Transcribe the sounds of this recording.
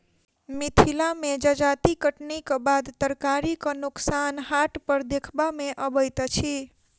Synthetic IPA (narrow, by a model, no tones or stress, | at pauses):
mit̪ʰilamed͡ʒəd͡ʒat̪ikəʈnikəbad̪t̪əɾkaɾikənuksanɦaʈpəɾd̪ekʰbameʔəbəjt̪t͡ʃʰi